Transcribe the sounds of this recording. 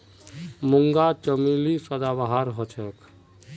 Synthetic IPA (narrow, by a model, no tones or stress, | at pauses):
muŋɡat͡ʃəmilisəd̪abaɦaɾɦot͡ʃʰɛk